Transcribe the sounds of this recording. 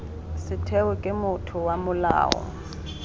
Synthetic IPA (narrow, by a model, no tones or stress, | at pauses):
sɪtʰɛʊkʼɪmʊtʰʊwamʊla̰ːɔ̰